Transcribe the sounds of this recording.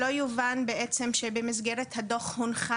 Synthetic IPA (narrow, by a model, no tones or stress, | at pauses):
o̞juvanbeʔet͡se̞mʃebemizɡeʁethado̞χhunχa